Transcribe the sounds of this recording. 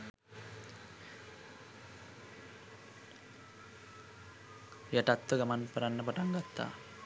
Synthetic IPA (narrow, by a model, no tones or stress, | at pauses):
jaʈat̪ːəɡamanpəɾanːəpəʈaŋɡat̪ːa̰ː